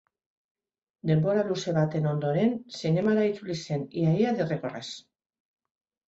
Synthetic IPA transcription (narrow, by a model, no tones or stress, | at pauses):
d̪emboɾaluseβat̪enond̪oɾensenemaɾait͡suliseniaiaðerekores